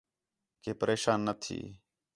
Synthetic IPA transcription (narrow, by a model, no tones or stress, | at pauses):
keːpəɾeːʃaːnːət̪ʰḭː